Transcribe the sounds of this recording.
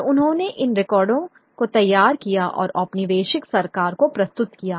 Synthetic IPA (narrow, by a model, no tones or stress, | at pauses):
ʊnɦõːneʔɪnɾɪkɔːɾɖõ | kot̪ɐjːaːɾkijaʔɔ̰ːɾɐpniʋeːʃɪksɐɾkaːɾkopɾɐst̪ʊt̪kijaː